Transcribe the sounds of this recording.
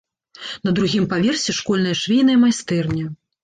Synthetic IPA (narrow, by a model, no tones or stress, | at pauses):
nɐd̪ɾuɣʲimpavʲersʲɛʂkɔlʲnɐjɐʂvʲejnɐimajst̪ɛrnʲɛ